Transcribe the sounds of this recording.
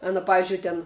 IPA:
ˈɑːnɐ ˈpɑːʋʲɪzʲd͡ʒʲʊɪ tʲɛn

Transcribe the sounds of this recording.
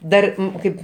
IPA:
ˈdɐr ˈkɐɪp

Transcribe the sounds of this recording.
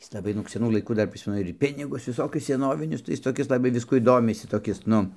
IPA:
ˈjɪs lˠɐˈbɐɪ nʊk sʲɛˈnuː lˠɐɪˈkuː ˈdɐr ˈpʲrʲɪsʲmʲɛnʊ ɪr ˈpʲɪnʲɪɡʊs ʋʲɪˈsoːkʲʊs sʲɛˈnoːʋʲɪnʲʊs tɐɪ ˈjɪs toːˈkʲɪs lˠɐˈbɐɪ ˈʋʲɪskuɔj ˈdoːmʲɪsʲɪ toːˈkʲɪs ˈnʊ

